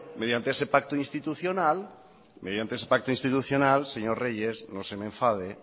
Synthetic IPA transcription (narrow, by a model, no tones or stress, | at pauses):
meðjant̪eesepak̚t̪oinst̪it̪uθjonal | með̞jant̪eesepak̚t̪oĩnst̪it̪uθjonalseɲoɾreʝeznosemẽɱfað̞e